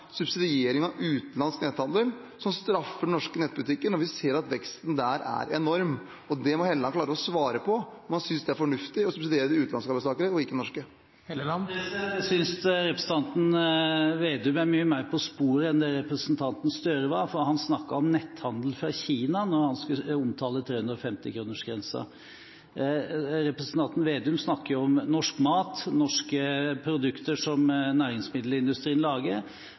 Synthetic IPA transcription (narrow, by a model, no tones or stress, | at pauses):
sʉbsɪd̪ɪeːɾɪŋɑʉːt̪nlɑnsknɛt̪hɑnd̪əl | sɔmst̪ɾɑfːəɳɔʂkənɛt̪̚ːbʉt̪ɪkːənɔɾʋɪseːɾɑt̪ʋɛkst̪n̩d̪æɾæ̰ɾɛnɔɾm | ɔd̪ɛmɔhɛləɑnklɑːɾəɔsʋɑːɾəpʰɔmɑnsʏnsd̪ɛæɾfɔɳʉft̪ɪɔsʉbsɪd̪eːɾəd̪ɪʉːt̪ɑnskɑːbəsɑːkəɾəɔɪkːənɔʂkə | ɛsʏnsɾɛpɾəsn̩t̪ɑnt̪n̩ʋeːd̪ʉmæɾmyːəmæɪɾpʰɔspuːɾəɛnd̪ɛɾɛpɾəsənt̪ʰɑnt̪n̩st̪œɾəʋɑɾfɔɾhɑnsnɑkːəɾɔmnɛt̪ːhɑnd̪l̩fɾɑçiːnɑnɔɾhɑnskəʊmt̪ʰɑːlət̪ʰɾeːʉnd̪ɾɔfɛmt̪ɪkʰɾuːnəʂɡɾɛnsə̰ | ɾɛpɾɛsnt̪ʰɑnt̪n̩ʋeːd̪ʉmsnɑkːəjʊɔmnɔʂkmɑːt̪nɔʂkəpʰɾʊd̪ʉkt̪əʂɔmnæːɾɪŋsmɪd̪l̩ɪnd̪ʉst̪ɾiːənlɑːɡəɾ